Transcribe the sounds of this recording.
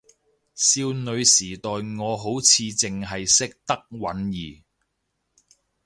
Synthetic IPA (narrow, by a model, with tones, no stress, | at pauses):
siː˧wnɵ˨˧ɥsiː˨˩t̪ɔː˨jŋɔː˨˧ɦo˨˥wt͡sʰiː˨˧t͡sɪ˨ŋɦɐ˨jsɪ˥k̚t̪ɐ˥k̚wɐ˨˥njiː˨˩